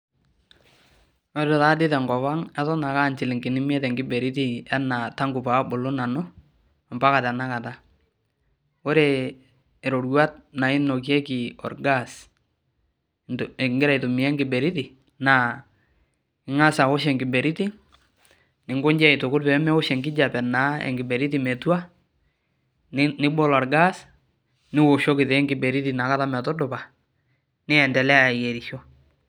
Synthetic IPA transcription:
wɔ˦dɔ˨ta˦dɪ˦tɛ˨ŋɡɔ˨βa˦ŋɛ˦tɔ˦na˨ka˦˨nt͡ʃɪ˨lɪ˨ŋɡɪ˨nɪ˦m˦ɛ˦tɛ˨ŋɡɪ˦bɛ˨ɾɪ˦ti˦a˦na˨ta˦ŋɡʊ˨pa˨˦bʊ˨lʊ˦na˨nʊ˦˨ | mba˦ka˨tɛ˨na˦ka˨ta˦ | wʊ˦ɾe˨ | ɾo˨ɾɡwa˦t̚na˨ɪ˦no˨kjɛ˦kɪ˨ɔ̰˨rɡa˦˨s | ŋɡɪɾa˨ɪ˨tʊ˨mi˨ɛ˦ŋɡɪ˨bɛ˨ɾɪ˦tɪ˨ | na˨ | ɪ˨ŋa˦sa˨o˦ʃ̬ɛ˨ŋɡɪ˨bɛ˨ɾi˦ti˦ | nɪ˨ŋɡʊ˦ɲd͡ʒɛ˦ɪ˨tʊ˨kʊ˦t̚pɛ˨˦mɛ˦ɔ˦ʃɛ˨ŋɡɪ˦d͡ʒa˨pɛ˨na˨˦ɛ̰˨ŋɡɪ˨bɛ˨ɾi˦t̬i˨me˨twa˦ | nɪ˦bo˦lɔ˨ɾɡa˦s | nɪ˦wo˨ʃɔ˦kɪ˨te˨˦ŋɡɪ˨be˨ɾi˦ti˨na˨ka˦ta˦mɛ˨tɔ˦dʊ˨pa˨ | nɪ˦ɛ˨ndɛ˨lɛ˦a˨je˨ɾi˨ʃɔ˦

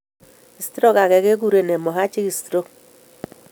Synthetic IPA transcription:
i˨stɾo˦ka˨kɛ˨ke˦ɡu˦ɾe˨ne˨mɔ˨ɦa˦t͡ʃi˦ki˨stɾo˦k

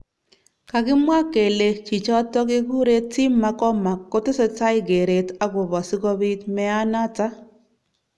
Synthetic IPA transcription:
ka˨ɡɪ˦mwa˦ke˨le˨t͡ʃi˨t͡ʃɔ˦tɔ˦ɡɪ˦ɡu˦ɾe˦tːɪ˦mːa˨kɔ˦ma˨kːo˦tɪ˦se˨˦ta˦ɪ˦ɡe˨ɾe˨ta˦ɡʊ˨βɔ˨sɪ˦kɔ˦bi˦tmɛ˦a˦na˦ta˦

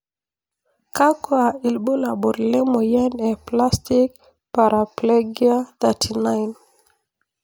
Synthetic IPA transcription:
ka˦ko˦a˨i˨lɓo˦la˨ɓo˨ɾle˦mo˨jɛ˦nɛ˨pla˦sti˦k̚ | pa˨ɾa˨ple˦ɡia˦t̪a˨tʰi˨na˦jn

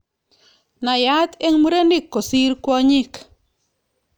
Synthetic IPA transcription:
na˨ja˦t̪e˦ŋmu˦ɾe˦ni˦kːo˨si˦ɾkwɔ˦ɲi˦k

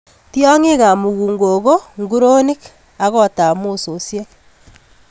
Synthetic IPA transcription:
ti˦ɔ˦ŋe˦ɣa˨mu˨ɣuː˨ŋɡo˨ɣo˦ŋɡu˦ɾo˦ni˦k | a˦ɣɔ˦ta˨mo˦so˨sje˦

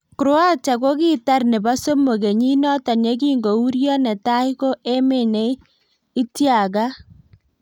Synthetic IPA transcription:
kʊ˨ɾwa˦t͡ʃa˨ko˦ki˦ta˦rne˨ba˦so˦mo˨ke˨ɲi˦nɔ˦ta˨ne˦k̬iː˦ŋɡo˨u˦ɾjɔ˦nɛ˨ta˦i˦ko˦e˦me˨ne˦ | i˦tja˨ka˦

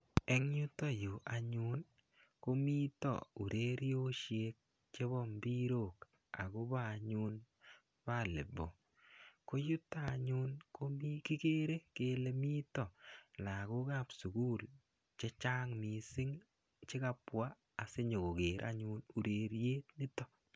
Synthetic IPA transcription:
ɛ˦ŋɲu˦tɔ˦jo˨ʔa˨ɲʊ˦n | ko˦mi˦tɔ̰˨u˨ɾʔe˦ɾjo˦ʃje˦k̚ | t͡ʃe˦βɔ˦mbi˦ɾo˦˨k | a̰˨ɡo˦ba˦˨ɲʊ˦n | pa˦˨le˨bo˨ | ko˦ju˦ta˦˨ɲʊ˦nko˦mi˦ki˦ke˦ɾe˦ke˦le˦mi˦tɔ˨la˨ko˦ka˦˨psu˨ɡu˦l | t͡ʃe˦t͡ʃa˦ŋmi˨sɪ˦ŋ | t͡ʃɪ˦ka˦pwa˦ | a˨se˦ɲo˨ko˨ke˨ɾʔa̰˦ɲʊ˧nu˨ɾe˨ɾjeː˦t̪̚nɪ˦tɔ˦

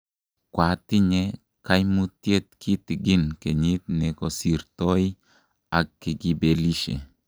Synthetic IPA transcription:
kwa˨ti˦ɲe˦ | ka˦jmu˦tje˦t̚kʰi˦ti˨ɡi˦nke˨ɲi˦t̪̚ne˨ko˨si˨ɾto˦j | a˨kːi˨ɡi˦be˨li˦ʃḛ˨

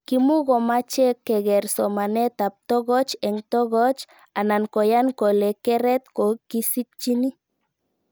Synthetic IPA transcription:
ki˨˦mu˦ɣɔ˨ma˦t͡ʃɛ˦kːɛ˨ɣɛ˨ɾsɔ˨ma˨nɛ˦t̪a˨p̚t̪ɔ˦ɣɔ˦t͡ʃɛ˨ŋt̪ɔ˦ɣɔ˦t͡ʃ | a˨na˨nkɔ˨ja˦nkɔ˨lɛ˨kɛ˦ɾɛ˦t̪kɔ˨ki˦si˦t̚t͡ʃi˦ni˦

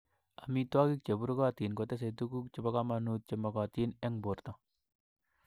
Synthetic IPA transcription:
a˨mitwa˦ki˦k̚t͡ʃe˨bu˦ɾka˦t̪i˨nkot̪ɛ˦s̬et̪uku˦k̚t͡ʃe˨bakamanut̪̚t͡ʃemakat̪i˦nɛ˦ŋbo˨rt̪ɔ

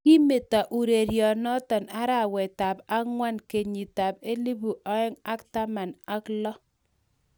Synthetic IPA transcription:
ki˦me˨ta˨ʔu˨ɾe˨ɾjɔ˨nɔ˦tɔ˨na˦ɾa˨wɛ˨ta˨pa˦ŋwa˦nke˨ɲi˨ta˨pe˦li˦bu˨ʔɔ˦ɛ˦ŋa˦kta˦ma˨na˦klɔ˦

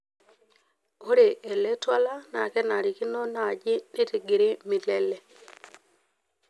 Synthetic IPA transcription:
o˦ɾe˨ʔe˨le˦twa˦la˦na̰˨kɛ˦na˨ɾi˨ki˦no˦na˨d͡ʒɪ˦ni˦ti˨ɡi˨ɾi˦mi˨lɛ˨lɛ˦

